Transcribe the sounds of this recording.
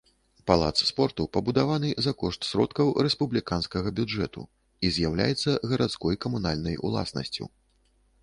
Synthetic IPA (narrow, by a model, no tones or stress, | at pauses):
palˠa̰t̪sspɔrt̪upɐbud̪avanɨzakɔʂt̪sɾɔ̰t̪kɐwɾɛspublʲikanskɐɣɐbʲud͡ʐɛ̰t̪ṵ | izʲjawlʲa̰jɛt̪sːɐɣɐɾat̪skɔjkɐmunalʲnɐjṵlˠa̰snɐ̰sʲt͡sʲṵ